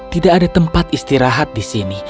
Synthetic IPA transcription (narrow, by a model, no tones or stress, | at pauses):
t̪idaʔadat̪əmpat̪̚ist̪iɾaɦat̪̚disini